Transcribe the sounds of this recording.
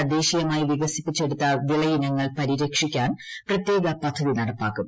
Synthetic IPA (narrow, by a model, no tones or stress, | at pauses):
ɐd̪e̞ːɕijɐmaːjiʋiɡɐsipːit͡ɕːe̞ɽut̪ːɐʋiɭɐjinɐŋːɐɭpɐɾiɾɐkʂikʲːaːnprɐt̪je̞ːɡɐpɐd̪ʱːɐðinɐɽɐpːa̰ːkːum